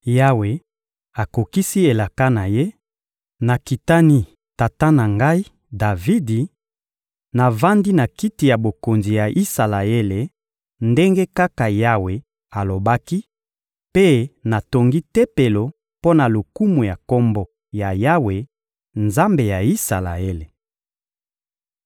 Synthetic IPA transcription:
ja˦we˨ | a˨ko˨ki˦si˦e˨la˨ka˦na˨je˦ | na˨ki˨ta˦ni˦ | ta˨ta˦na˨ŋɡa˦i˦ | da˨vi˦di˨ | na˨va˦ndi˦na˨ki˦ti˨ja˨bo˨ko˨nzi˨ja˨ʔi˦sa˨la˨e˦le˨ | nde˦ŋɡe˦ka˦ka˨ja˦we˨ | a˨lo˨ba˦ki˦ | pe˦na˨to˨ŋɡi˦tɛ˦pe˨lo˨ | po˦na˨lo˨ku˦mu˨ja˨ko˦mbɔ˦ | ja˨ja˦we˨ | nza˦mbe˨ja˨i˦sa˨la̰˨e˦le˨

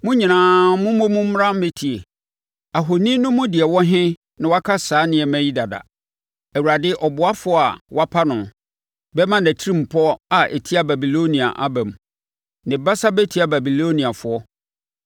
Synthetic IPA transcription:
mʊ̃˦ɲĩ˨nãː˨mʊ̃˦mʊ̃˦mʊ̃˦m̩˦ɾã˦m̩˦mẽ˦tʰi˨e˨ | a˨ɦo˨nĩ˦nʊ̃˦mʊ̃˦dɪ˨ɛ˨wɔ˦ɦɪ̃˦ | nɪ̃˨wa˦kʰa˦saː˨˦nɪ̃˨ɛ˨mæ̃˦ji˦da˨da̰˨ | ɛ˨wu˨ɾa˨dɪ˦ʔɔ˨bʊ˨a˦fʊ˦ɔ˦a˨wa˦pʰa˦nʊ̃˨ | bɛ˦mã˦næ˨tʰi˦ĩ˦˨m̩˨pʰɔ˦a˨ʔɛ̰˨tʰi˦a˦ba˨bi˨lo˦nĩ˨a̰˨ʔa˦bæ̃˨m | nɪ̃˨ba˦sa˦bɛ˦tʰi˨˦a˨ba˨bi˨lo˦nĩ˨a˨fʊ˨˦ɔ˦

